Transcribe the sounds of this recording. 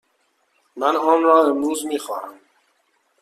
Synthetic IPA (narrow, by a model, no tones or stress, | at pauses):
manɔːmɾɑːəmuːzmiːxɑ̰ːɾəm